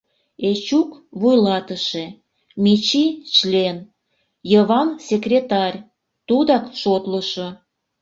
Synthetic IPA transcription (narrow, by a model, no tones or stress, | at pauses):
et͡ɕukβujlɑt̪əʃe | mʲit͡ɕit͡ɕlʲen | jəβɑnsʲekrʲet̪ɑrʲ | t̪ud̪ɑkʃot̪ləʃo